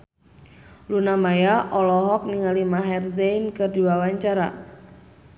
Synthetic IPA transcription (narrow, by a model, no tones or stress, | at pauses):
lunamajaʔɔlɔɦɔk̚niŋalimaɦɛrzɛinkɨrdiwawaɲt͡ʃaɾa̰